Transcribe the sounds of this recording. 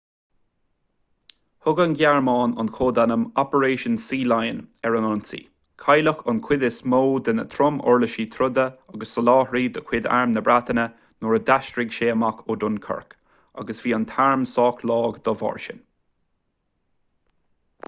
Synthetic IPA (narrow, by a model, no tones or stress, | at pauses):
hʊɡənɡjaɹmɑːnʊ̰nkʰoːd̪anəmɔpəɹeːʃənsiːlajənɛɹənɔnsḭː | kʰajləkʊnkʰw̥ɪd̪ɪsmoːd̪ənə̰t̪ʰɾʊmɔ̰ɹləʃiːt̪ʰɾʊd̪əaɡəsːəlɑːhɾiːd̪əkʰw̥ɪd̪a̰ɹmnəbɹat̪ənə | nɔɹəd̪aʃtɾɪɡʃeːmakʰʊd̪ʊnkʰə̰ɹk | a̰ɡəsv̥iːənt̪ʰaɹmsɑːkʰlɑːɡd̪ɔvɔ̰ɹʃə̰n